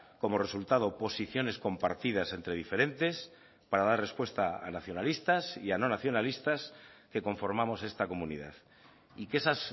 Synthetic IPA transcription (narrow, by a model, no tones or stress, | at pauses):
ko̞mo̞re̞sult̪aðo̞po̞siθjo̞ne̞sko̞mpa̰ɾt̪iðase̞nt̪ɾe̞ð̞ife̞ɾe̞nt̪e̞s | paɾaðaɾre̞spwe̞st̪aa̰naθjo̞nalist̪asiano̞naθjo̞nalist̪aske̞ko̞ɱfo̞ɾmamo̞se̞st̪ako̞mũnḭða̰θ | ike̞sas